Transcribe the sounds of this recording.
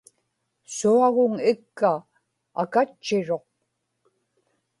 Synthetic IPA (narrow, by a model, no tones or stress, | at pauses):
suaɣʊŋɪkːa̰ː | kat͡ʃːɪɻo̞q̚